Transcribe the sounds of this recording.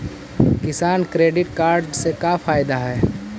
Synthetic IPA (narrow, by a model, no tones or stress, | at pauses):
kɪsaːnkɾeːɖɪʈkaːɾɖsekafaːɪd̪aɦɛː